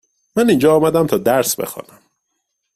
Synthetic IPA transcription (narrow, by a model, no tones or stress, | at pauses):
mænind͡ʒɒːmæd̪æmt̪ʰɒːd̪æɾsbḛxɒ̰ːnæm